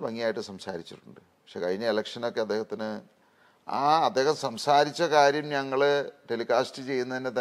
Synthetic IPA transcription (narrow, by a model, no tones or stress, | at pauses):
bɐŋːijaːjiʈːɨsɐmsa̰ːɾit͡ɕːiʈːuɳɖɨpɐkʂe̞ːkɐðiɲɐelɐkʂɐno̞kːe̞ɐd̪ːeːhɐt̪ːinɨ | a̰ːɐd̪ːeːhɐmsɐmsaːɾit͡ɕːɐkaːɾjɐmɲɐŋːɐɭeʈelikaːstɨt͡ɕe̞jːunːɐðinːet̪ɐ